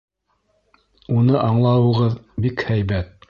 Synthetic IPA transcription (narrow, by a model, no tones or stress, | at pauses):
unɤʔɑɴlˠɑwɤ̆ʁɤðbikhæjbæt̪̚